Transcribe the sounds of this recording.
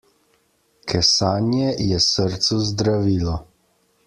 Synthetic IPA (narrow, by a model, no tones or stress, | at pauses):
kʰɛsaːnjɛjɛsəɾt̪suzd̪ɾaʋiːlɔ